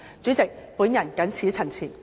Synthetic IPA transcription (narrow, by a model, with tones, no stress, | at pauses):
t͡sy˨˥t͡sɪ˨k̚puː˨˥njɐ˨˩nkɐ˨˥nt͡sʰiː˨˥t͡sʰɐ˨˩nt͡sʰiː˨˩n